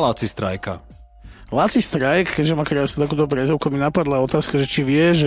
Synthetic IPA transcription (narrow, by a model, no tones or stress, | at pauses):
lat͡sist̪ɾa̰jka̰ | lat͡sist̪ɾajkkɛɟʒɛmakɾaːsnut̪akuːt̪ɔp̬ɾɛzɔʊkuaminapad̪laɔt̪aːskaʒɛt͡ʃiʋɪɛʒɛ